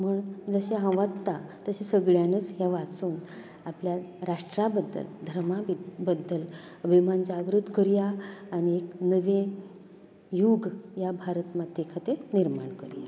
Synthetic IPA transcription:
məɳd͡zəɕeɦə̃ʋat̪ːat̪əɕesəɡɭjanət͡sɦjaʋat͡suːn | apljaɾaʂʈɾabəd̪ːə̰ld̪ʱəɾmabəd̪ʱːəl | əbʱimand͡zaːʋɾud̪ʱkəɾjaːnieknəʋẽ | juɡjabʱaɾət̪mad̪ekʰat̪eniɾmaɳkəɾja̰

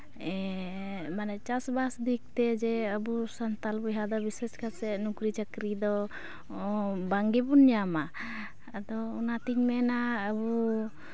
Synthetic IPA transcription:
ɛ | manɛt͡ʃasbasd̪ik̚t̪ɛd͡ʒɛəbusənt̪albɔɦad̪ɔbisɛskʰasɛʔnukɾit͡ʃəkɾid̪ɔ | baŋɡɛbunjama | əd̪ɔunat̪iɲmɛnaəbu

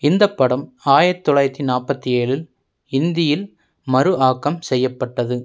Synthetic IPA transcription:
ɪnd̪ɐpːɐɽɐm | aːjɐt̪ːɔɭɐjɾt̪ːinaːpːɐt̪ːieːlɪl | ɪnd̪ɪjɪl | mɐɾɯʔaːkːɐmsɛjːɐpːɐʈːɐðɯ

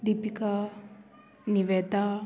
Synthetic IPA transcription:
d̪ipika | niʋed̪a

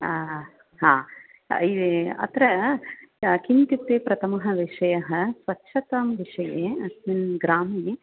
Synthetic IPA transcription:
ɦã̰ː | iʋeɐ̰t̪ɾɐ | kint̪it̪ːeːpɾɐt̪ʰɐmuɦɐʋiʂɐjɐɦɐsʋɐtːʃʰɐt̪ɐmʋiʂɐjeːɐsminɡɾaːmije

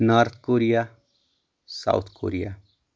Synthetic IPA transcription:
naɾt̪ʰkoɾija | sa̰wt̪ʰko̰ːɾija

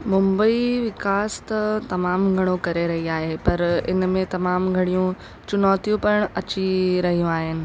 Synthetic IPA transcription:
mʊ̃mbəiʋɪkaːst̪ɐt̪ɐmaːmɡʱɐɽ̃okɐɾeɾɐɦiaːɦepɐɾɪ̰nmẽt̪ɐmaːmɡʱɐɽ̃ijũ | t͡ɕʊnɔːt̪ijũpɐɽ̃ɐt͡ɕiɾɐɦijũaːɦɪnɪ̆

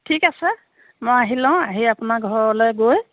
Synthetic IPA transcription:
tʰikasɛ | mojaɦilãʊ̃aɦiapunaɡʱɔɹɔlɔjɡoj

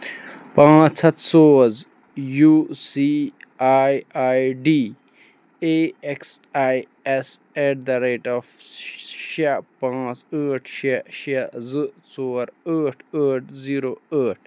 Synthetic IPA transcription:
pãːt͡sʰɐt̪soːz | jusiaːjajɖi | eeksaj | es | eʈd̪aɾeːʈaf | ʃapãːt͡səːʈʰʃaʃazɨt͡soːɾəːʈʰəːʈʰziɾoəːʈ̚ʰ

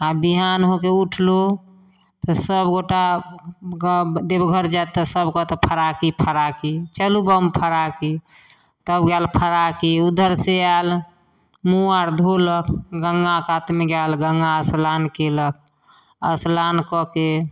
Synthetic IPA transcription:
abiɦanɦok̬euʈʰlo | t̪ɔsəbɡoʈa | d̪ebɡʱəɾd͡ʒat̪ːɔsəbkɔt̪əpʰəɾakipʰəɾakit͡ʃəlubəmpʰəɾaki | t̪əbɡalpʰəɾakiud̪əɾseal | muaɾd̪ʱoləkɡəŋɡakat̪meɡalɡəŋɡaəslankelək̚ | əslankɔke

